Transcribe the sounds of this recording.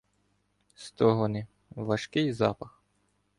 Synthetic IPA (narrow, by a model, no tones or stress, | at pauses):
st̪ɔɦɔnɪ | ʋɐʃkɪjzɑ̰pɐx